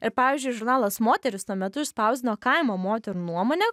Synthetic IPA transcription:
ɪɾpɑːʋʲiːzʲd͡ʒʲʊɪʒʊɾnɑːlˠɐsmoːt̪ʲɛɾʲɪsnuɔmʲɛt̪ʊɪʃspɐˑʊzʲɪnoːkɐɪmoːmoːt̪ʲɛɾuːnuɔmoːnʲɛ

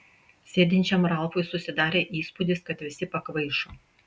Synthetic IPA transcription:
sʲeːd̪ʲɪnʲt͡ʃʲɛmɾɐlˠfoɪsʊsʲɪd̪ɑːɾʲeːʔiːspʊd̪ʲɪskɐt̪ʋʲɪsʲɪpɐkʋɐɪʃoː

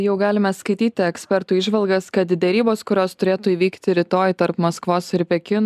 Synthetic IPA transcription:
jɛʊɡɑːlʲɪmʲɛskɐɪt̪ʲiːt̪ʲɪɛksʲpʲɛɾt̪uːɪʒʋɐlˠɡɐskɐt̪d̪ʲɛɾʲiːboːskʊɾʲoːst̪ʊɾʲeːt̪uːiːʋʲiːkt̪ʲɪɾʲɪt̪oːjt̪ɐɾpmɐskʋoːsɪɾpʲɛkʲɪn

